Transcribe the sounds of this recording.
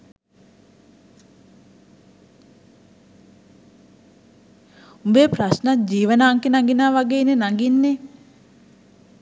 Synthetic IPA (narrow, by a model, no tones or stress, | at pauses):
umbeːprasnat̪̚d͡ʒiːʋənaːŋkenaŋɡinaːʋaɡeːnenaŋɡinːe